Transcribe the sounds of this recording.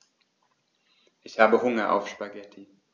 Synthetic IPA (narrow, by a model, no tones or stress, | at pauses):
ʔɪçhaːbəɦʊŋɐʔa̰ʊfʃpaɡɛtʰi